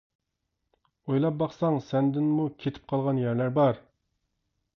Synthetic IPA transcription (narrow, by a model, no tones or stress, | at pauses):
ojlˠɑp̚bɑχsɑŋsɛnd̪ɪnmukʲʰet̪ʰɪ̥p̚qʰɑlˠʁɑnjæɾlæɾbɑɾ